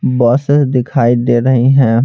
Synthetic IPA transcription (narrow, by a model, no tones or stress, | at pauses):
bɔːsɪsd̪ɪkʰaːid̪eːɾɐɦiɦɛ̃ː